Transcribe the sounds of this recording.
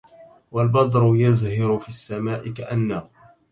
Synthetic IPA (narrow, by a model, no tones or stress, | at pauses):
walbɑd̪ˤɾʊjazhɪɾʊfiːasːamaːʔɪkaʔanːahʊ